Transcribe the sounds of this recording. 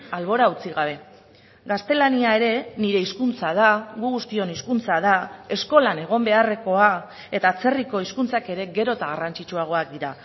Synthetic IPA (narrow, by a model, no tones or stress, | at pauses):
alβo̞ɾaut͡siɣaβ̞e̞ | ɡast̪e̞laniae̞ɾe̞niɾe̞iskunt͡sað̞aɣuɣust̪io̞niskunt͡sað̞ae̞sko̞lane̞ɣ̞o̞mbe̞are̞ko̞a | e̞t̪aːt͡se̞riko̞iskunt͡sake̞ɾe̞ɡe̞ɾo̞t̪aɣ̞arant͡ʃit͡ʃuaɣ̞o̞ak̚d̪iɾa